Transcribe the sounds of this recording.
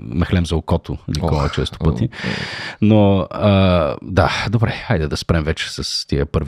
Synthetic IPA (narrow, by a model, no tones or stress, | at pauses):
nɐxlɛmzɐokɔt̪ʊnikɔlˠɐ̰t͡ʃɛst̪ʊ̥pɤt̪i | noəd̪ad̪obɾɛajd̪ɛd̪ɐspɾɛmvɛt͡ʃɛ̥sɐst̪iəpɤɾv